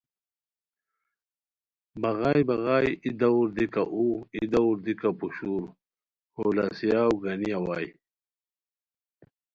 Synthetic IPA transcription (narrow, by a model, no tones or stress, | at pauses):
baɣajbaɣajid̪auɾd̪ikaʔuid̪auɾd̪ikapuɕuːɾ | holasijaːwɡanijawaːj